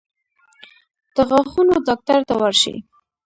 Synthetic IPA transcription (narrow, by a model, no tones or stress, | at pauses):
d̪̥əɣaxunod̪ɑk̚t̪aɾt̪awəɾʃḭ